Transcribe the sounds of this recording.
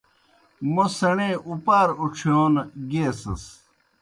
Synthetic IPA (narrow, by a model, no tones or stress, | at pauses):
mosɐɳeːʔupaːɾuʈ͡ʂʰjoːnɡeːsɐ̰s